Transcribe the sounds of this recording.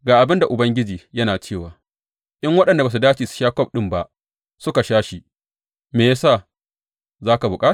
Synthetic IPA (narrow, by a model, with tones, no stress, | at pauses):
ɡaː˨ʔa˨bɪ˦nda˨ʔʊ˨bɐ˦ŋɡʲɪ˦d͡ʒiː˨jɐ˦naː˨t͡ʃeː˦˨waː˨ | ʔɪ˦ŋwɐ˦ɗɐ˨nda˨baː˨s̬u˨daː˦t͡ʃiː˨su̥˨˦ʃaː˦kʷɔ˦˨p̚ɗɪ˦mba˦ʔ | sʊ˦ka˨ʃaː˦ʃi˦˨ | meː˨ja˦saː˦˨ | zaː˦ka˨bʊ˨kʼaː˦t